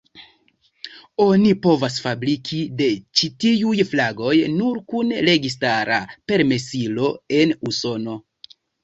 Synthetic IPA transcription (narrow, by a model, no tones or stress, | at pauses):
o̞nipo̞vas̬fabɾikʰide̞t͡ʃitiujflaɡo̞jnuɾkunɾe̞ɡis̬taɾape̞ɾme̞silo̞e̞nuso̞no̞